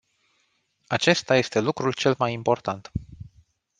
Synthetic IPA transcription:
at͡ʃe̞st̪aje̞st̪e̞lukɾult͡ʃe̞lmajimpo̞rt̪ant̪

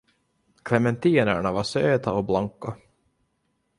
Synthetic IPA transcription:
kʰlɛmɛnt̪ʰiːnæ̰ɳavasøːt̪aɔblaŋkːa

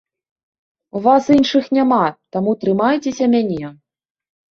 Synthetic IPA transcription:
uvasinʂɨxnʲamat̪amut̪ɾɨmajut͡sʲesʲɐmʲanʲɛ

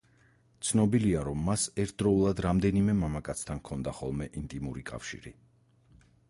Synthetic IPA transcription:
t̪sʰnɔbiliaɾɔmːasɛɾt̪̚ʰd̪ɾɔulˠad̪ɾamd̪ɛnimɛmamakʼat̪sʰt̪ʰankʰɔnd̪aχɔ̰lˠmɛʔint̪ʼimuɾikʼa̰fʃḭɾḭ

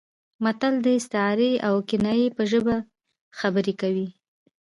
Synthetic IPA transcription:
mat̪ald̪əɪst̪ɪɑɾeawkɪnajepəʒəba | xabəɾekawi

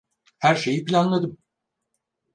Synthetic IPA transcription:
hæɾʃe̞jipilʲanlˠad̪ɯm

